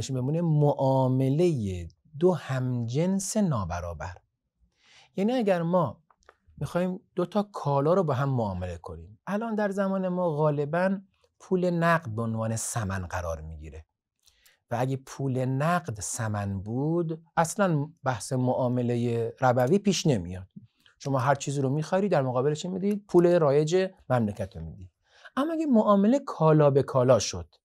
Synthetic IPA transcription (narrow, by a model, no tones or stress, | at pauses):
eʃbemuːnemoʔɒːme̞le̞je | d̪ohæmd͡ʒense̞nɒːbæɾɒ̰ːbæ̰ɾ | jæːniːæɟæɾmɒː | mixɒːhiːmd̪̥ot̪ʰɒːkʰɒːlɒːɾobeɦæmːoɒːmele̞kʰo̞̰nḭːmʔælʔɒːnd̪æɾzæmɒːne̞mɒːɣɒːle̞bæn | pʰuːle̞næɡd̪̚beonvɒːne̞sæmænɢæɾɒ̰ːɾmiːɟḭːɾe | vææɡepʰuːle̞næɢd̪sæmænbuːd̪ʔæslænbæhsemoʔɒːme̞le̞jeɾæbæviːpiːʃne̞mḭjɒːd̪̥ | ʃo̞mɒːɦæɾt͡ʃʰiːziːɾomiːxɒɾid̪æɾmoɣɒːbeleʃʰimid̪iːd̪̚pʰuːleɾɒːje̞d͡ʒe̞mæmlecʰæt̪ʰɾomiːd̪i | ʔæmːɔːæɡemoʔɒːmelekʰɒːlɒːbe̞kʰɒːlɒːʃod̪̥